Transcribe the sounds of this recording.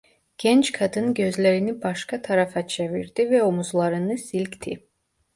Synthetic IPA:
ɡ̥ɛnt͡ʃkʰɑd̪ɯnɟø̞zlæɾinibɑʃkɑt̪ʰɑɾɑfɑt͡ʃʰɛvḭɾd̪̥ivɛomuzlˠɑɾɯnɯsilʲct̪ʰi

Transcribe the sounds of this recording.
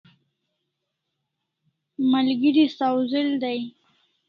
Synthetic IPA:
malɡəɾisawzɪld̪aj

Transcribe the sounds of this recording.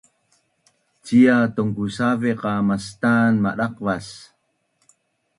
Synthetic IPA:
t͡ɕiatuŋkusaveqɑmastanmaɗaqvas

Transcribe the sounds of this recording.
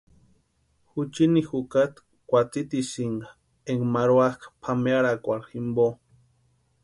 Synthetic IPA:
xut͡ʃinixukat̪ | kʷat͡sit̪isiŋɡa | eŋmaɾwakpʰameaɾakʷalximbo

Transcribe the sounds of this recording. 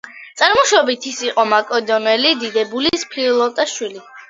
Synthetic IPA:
t̪sʼaɾmɔʃɔbit̪ʰisiqʼɔmakʼɔd̪ɔnɛlid̪id̪ɛbulispʰliɔlˠɔt̪ʼaʃwili

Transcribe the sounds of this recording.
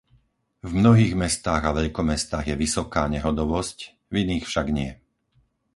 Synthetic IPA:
vmnɔɦiːɣmɛst̪aːɣaʋɛʎkɔmɛst̪aːɣjɛʋisɔkaːɲɛɦɔd̪ɔʋɔsc | ʋiniːxfʃaɡɲɪɛ

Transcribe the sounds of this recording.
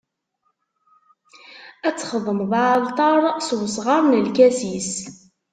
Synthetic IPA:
æt͡sːχəðˤəmðʕlˤt̪ˤɑɾˤswəsʁɑɾˤnəlkæsis

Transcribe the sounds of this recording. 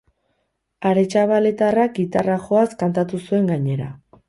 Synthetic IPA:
aɾe̞t͡ʃaβale̞t̪arak̚ɡit̪araxo̞askant̪at̪usue̞ŋɡaɲe̞ɾa̰

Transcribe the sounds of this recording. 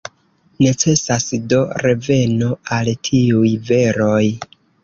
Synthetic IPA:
ne̞t͡se̞sasdo̞ɾe̞ve̞no̞altʰiujve̞ɾo̞j

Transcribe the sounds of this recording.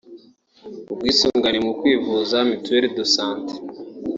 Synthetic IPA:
ub̚ɡwiːsuːŋɡanimukwiːvuːzamitueɾidosaːnte̥

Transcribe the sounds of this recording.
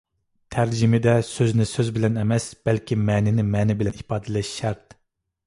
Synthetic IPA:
t̪ʰæɾd͡ʒimɪd̪ɛsøznɪsøzbɪlɛnɛmɛsb̥ɛlkʲimɛːnɪnɪmɛːnɪbɪlɛnipɑːd̪ɨlɛʃʃæɾt̪

